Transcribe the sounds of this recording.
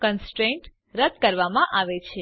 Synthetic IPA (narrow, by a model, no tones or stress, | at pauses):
kənsʈɾẽɳʈ | ɾəd̪̚kəɾʋamãʔaʋet͡ʃʰe